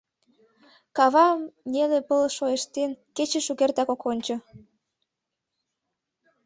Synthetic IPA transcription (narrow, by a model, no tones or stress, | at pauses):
kɑβɑmnʲelepəlʃoeʃt̪enket͡ɕĕʃuɣert̪ɑkokonʲt͡ɕŏ